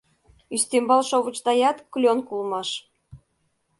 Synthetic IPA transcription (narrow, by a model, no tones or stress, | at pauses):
yst̪embɑlʃoβət͡ɕt̪ɑjɑt̪klʲonkulmɑʃ